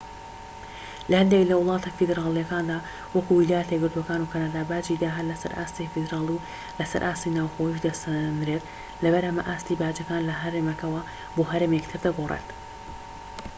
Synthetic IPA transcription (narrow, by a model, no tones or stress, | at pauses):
lɐhɐnd̪eklɐwɨlˠɑːt̪ʰɐfid̪ɾaːlˠijɐkaːnd̪aː | wɐkuwilaːjɛt̪ɡɨɾt̪uɐkaːnukʰanaːd̪aːbaːd͡ʒid̪aːɦɐlɐsɐ̰ɾʔa̰ːst̪ifid̪ɾaːlˠiw | lɐsɐ̰ɾʔaːst̪inaːwxojiʃd̪ɐsnɾet̪ | lɐbɐɾhɐmɐʔaːst̪ibaːd͡ʒɐkaːnlɐɦɐɾeːmɐkɐwɐ | boːɦɐɾeːmekt̪ʰɨɾd̪ɐɡorˤḛt̪